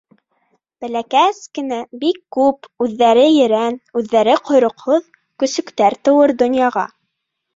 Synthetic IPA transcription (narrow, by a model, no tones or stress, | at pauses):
b̥ælækæskɘ̆næbikːʉpʉðːæɾɘjɘ̆ɾænʉðːæɾɘqŏjɾŏqhoð | kɵ̆sɵ̆kt̪æɾt̪ɤ̆wɤɾd̪ŏnjɑʁɑ̰